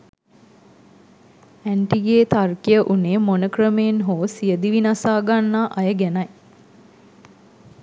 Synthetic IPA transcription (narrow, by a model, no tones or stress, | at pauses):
æɳʈiɡeːt̪arkijəʔuneːmonəkrəmejenɦoːsijəd̪iʋinasaːɡanːaʔajəɡænaj